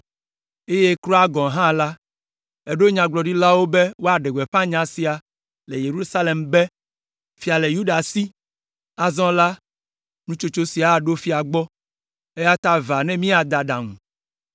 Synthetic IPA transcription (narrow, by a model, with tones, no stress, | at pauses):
e˦je˦kɾɔ˦a˦ɡɔ̃˨ɦã˦la˦ | e˨ɖo˦ɲã˨ɡ͡blɔ˨ɖi˦la˦wo˦be˦wo˦a˨ɖe˨ɡɛ˨ɸã˦ɲã˨si˨a˨ | le˨je˨ɾu˦sa˦le˨mbe˦ | fi˨a˨le˨ju˦ɖa˨si˦ | a˨zɔ̃˦la˦ | nũ˦t͡ʃo˦t͡ʃo˦si˨a˨ɖo˦fi˦a˨ɡ͡bɔ˦ | e˦ja˦t̪a˦va˨nɛ̃˦mĩ˦a˨d̪a˨ɖa˨ŋũ˨